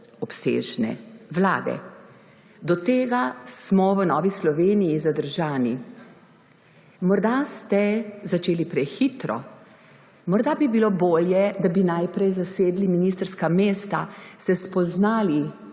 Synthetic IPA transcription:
ɔpsḛːʒnɛ̰ʋla̰ːd̪ɛ̰ | d̪ɔt̪eːɡasmɔʋənɔːʋislɔʋeːnijizad̪əɾʒaːni | mɔɾd̪ast̪ɛzat͡ʃeːlipɾɛxit̪ɾɔ̰ | mɔɾd̪abibiloboːljɛd̪abinajpɾɛjzaseːd̪liminist̪əɾskameːst̪asɛspɔznaːli

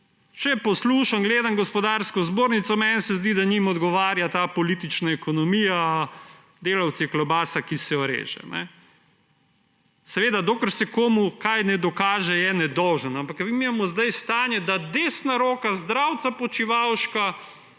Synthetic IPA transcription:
t͡ʃɛpɔsluːʃaŋɡleːd̪amɡɔspɔd̪aːɾskɔzboːɾnit̪sɔmɛnsɛzd̪id̪aɲimɔd̪ɡɔʋaːɾjat̪aːpɔliːt̪it͡ʃnaɛkɔnɔmiːja | d̪eːlawt̪siklɔbaːsakisɛɔɾḛːʒɛ̰nɛ̰ | sɛʋeːd̪ad̪okəɾsɛkoːmukajnɛd̪ɔkaːʒɛjɛnɛd̪ɔwʒənampakʋimimamɔzd̪ajst̪aːnjɛd̪ad̪eːsnaɾoːkazd̪ɾawt̪sapɔt͡ʃiʋawʃka

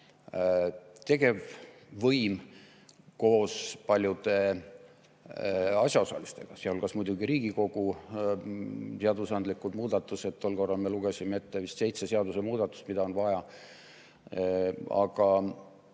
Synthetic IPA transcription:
t̪e̞ɡ̥e̞vː | ɤjm | ko̞ːspɑlʲjud̪̥e̞ | ɑsjɑo̞sɑ̰list̪e̞̰ɡ̥ɑseolkɑsmujd̪̥uɡiɾiːɡ̥iko̞ɡ̥u | seɑd̪usɑnd̪likˑud̪muːd̪̥ɑt̪ːˑuse̞t̪ːo̞lːko̞rːɑlmeluɡesʲimee̞t̪ːevist̪se̞jt̪se̞seɑd̪use̞muːd̪̥ɑt̪ːˑu̥st̪mid̪ɑo̞nvɑjɑ | ɑ̰ɡ̥ɑ

